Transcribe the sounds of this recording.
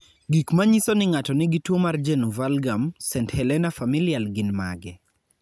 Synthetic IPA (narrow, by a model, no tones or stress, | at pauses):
ɡikmaɲisɔnɪŋatɔnɪɡɪtwomard͡ʒenuvalɡamsɛnthɛlɛnafamilialɡɪnma̰ɡɛ